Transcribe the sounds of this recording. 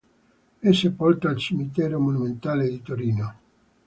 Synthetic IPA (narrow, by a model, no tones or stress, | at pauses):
ɛsepɔlt̪aːlt͡ʃimit̪ɛːɾomonument̪aːled̪it̪oɾiːno